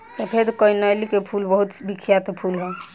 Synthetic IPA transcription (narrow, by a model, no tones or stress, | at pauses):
sepʰed̪ʱkəjnalikepʰulbəɦut̪bikʰjat̪pʰulɦɛ